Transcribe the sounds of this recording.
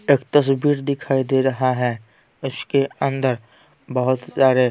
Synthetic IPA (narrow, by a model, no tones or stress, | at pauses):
eːkt̪ɐs̬biːɾd̪ɪkʰaːid̪eɾɐɦaɦɛ | ɪskeɐ̃nd̪əɾ | bəɦʊt̪saːɾe